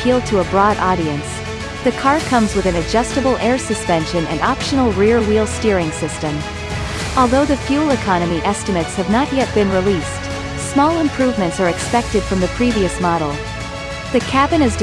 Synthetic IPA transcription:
ilˠd̚tʰəəbɹɔɾʔɑɾiɨ̃ns | ðɨkʰɑɹkʰʌ̃mzwɨðɨ̃nɨd͡ʒʌstəbl̩ˠʔɛɹsɨspɛ̃nʃɨ̃nɨ̰̃nɑpʃɨnl̩ˠɹilˠwilˠstɪɹɪ̃ŋsɪstɨ̃m | ʔɔlˠðoʊðɨfjʉl̩ˠɨkʰɑnɨmiʔɛstɨmɨtshɨvnəʔ̚jɛt̚b̥ɨ̃nɹilist | smɔlˠɨ̃mpʰɹ̥ʉvmɨ̃ntsə˞ɨkspɛk̚tɨd̥fɹʌ̃mðɨpʰɹ̥iviɨsmɑɾl̩ˠ | ðɨkʰæbɨ̃nɨzd

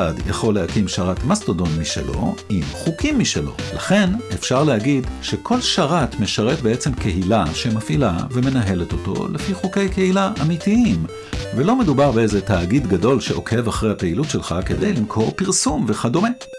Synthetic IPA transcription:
adja̰χo̞lːehakimʃaʁatmastodo̞nmiʃe̞̰lo̞̰imχukʰimːiʃelo̞̰laχe̞nefʃaʁlehaɡidʃe̞kʰo̞lʃaʁatme̞ʃaʁe̞tbeet͡se̞mke̞ɦilaʃemafʔila̰ve̞me̞naɦe̞leto̞to̞̰lefiχuke̞jkehilaʔamitiim | velo̞me̞dubaʁbeezetaːɡidɡado̞lʃeʔo̞̰ke̞vaχʁejhape̞ilutʃelχakedḛjlimkʰo̞ʁpiʁsumve̞χado̞me̞

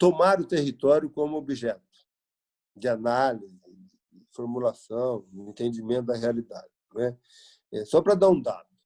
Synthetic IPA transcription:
t̪omaɾʊt̪ehit̪ɔɾjʊkõmʊobiʒɛt̪ʊ̥ | d͡ʒɪanalizɪd̪ɪdɪfoɾmulasɐ̃w̃dɪẽnt̪ẽd͡ʒimẽnt̪ʊd̪ɐɦealid̪a̰d͡ʒɪnɛ | ɛsɔpɾɐd̪aũd̪a̰d̪ʊ

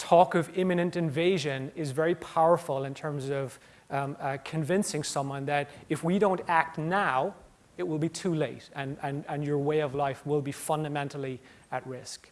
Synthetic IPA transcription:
tʰɔkʌvɪ̃mɨnɨ̃ntɨ̃ɱveɪʒɨ̃nɪzvɛɹipʰaʊə˞fəl̩ˠɨ̃ntʰɜ̃˞mzʌv̥ | kʰɨ̃ɱvɪ̃nsɪ̃ŋsʌ̃mwʌ̃nðɨɾɨfwiɾõʊ̃ntæk̚tⁿnaʊ | ɨt̚wəlˠbitʰʉleɪɾɨ̃nɨ̃nɨ̃njə˞weɪʌvlaɪfwɪlˠbifʌ̃ndɨmɛ̃ntˡl̩ˠi | ɨt̚ɹɪsk

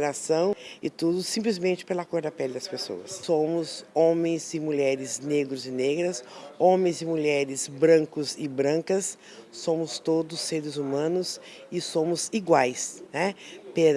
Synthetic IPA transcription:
ɾasɐ̃w̃ɪt̪ud̪ʊsĩmplɪzmẽnt͡ʃɪ̥pelɐakoɾd̪ɐpɛlɪd̪ɐspeso̰ɐssõmʊzõmẽj̃zɪmuʎɛɾɪzneɡɾʊzɪneɡɾɐsõmẽj̃zɪmuʎɛɾɪzbɾɐ̃kʊzɪbɾɐ̃ŋkɐsː | õmʊst̪od̪ʊsːeɾɪzumɐ̃nʊs | ɪsõmʊziɡwajsnɛpe

